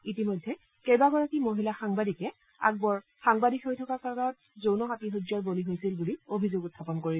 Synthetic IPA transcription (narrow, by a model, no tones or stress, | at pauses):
itimojdʱːɛ | kejbaɡɔɹakimoɦilaxaŋbadikɛ | a̰ɡ̚bɔɹ | xaŋbadikʰɦojtʰɔkaɹkaɹnɔt̚ | zownɔxatiɦod͡ʒɔɹboliɦojsilbuliobʱizoɡʊtʰːapɔnkoɹi